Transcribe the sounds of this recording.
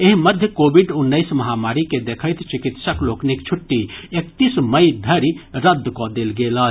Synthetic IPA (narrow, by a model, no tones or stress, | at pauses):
eɦməd̪ʱjəkobiɖunːəɪsməɦamaɾiked̪ekʰəjt̪ʰt͡ʃikit̪səkloknikt͡ʃʰuʈːiekt̪isməɪd̪ʱəɾiɾəd̪ʱːkɔd̪elɡelə